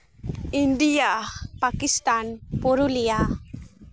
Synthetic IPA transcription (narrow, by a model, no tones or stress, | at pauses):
inɖijapakist̪anpuɾulija